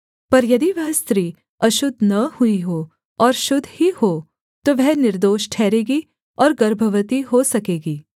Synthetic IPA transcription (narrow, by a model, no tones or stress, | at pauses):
pɐɾjɐd̪iʋɛɦst̪ɾiː | ɐʃʊd̪ʱnɐhuiɦoː | ɔːɾʃʊd̪ʱːhihoː | t̪oʋɛɦnɪɾd̪oːʃʈʰɛːɾeːɡi | ɔːɾɡɐɾbʱəʋət̪iɦosɐkeːɡiː